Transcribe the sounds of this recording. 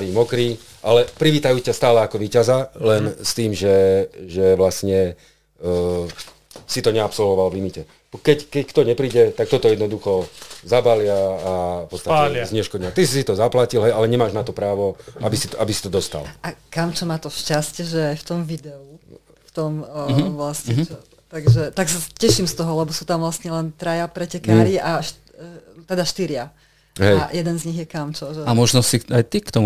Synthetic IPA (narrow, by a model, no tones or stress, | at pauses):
ʋiːmɔkɾi | ʔalɛpɾiʋiːt̪ajuːcast̪aːlɛakɔʋiːcazalɛnst̪iːmʒɛʒɛʋlasɲɛ | sit̪ɔɲɛapsɔlʋɔʋalʋlimicɛ | kɛckɛckt̪ɔɲɛpɾiːɟɛt̪ak̚t̪ɔt̪ɔjɛd̪nɔd̪uxɔzabalɪaːfpɔt̪st̪aɛzɲɛʃkɔdɲɪat̪isisit̪ɔzaplacilɦɛjalɛɲɛmaːʒnat̪ɔpɾaːʋɔabisi̥t̪ɔʔabisi̥t̪ɔd̪ɔst̪a̰lʔakamt͡ʃɔmaːt̪ɔʃcascɛʒɛajft̪ɔmʋid̪ɛu | ft̪ɔmʋlasɲɛt͡ʃɔ | t̪aɡʒɛt̪aksacɛʃimst̪ɔɦɔlɛbɔsuːt̪amʋlasɲɛlɛnt̪ɾajapɾɛcɛkaːɾiʔaʃ | t̪ɛd̪aʃt̪iɾɪa | ɦɛjajɛd̪ɛnzɲiɣjɛkamt͡ʃɔʒɛamɔʒnɔsiajt̪ikt̪ɔmu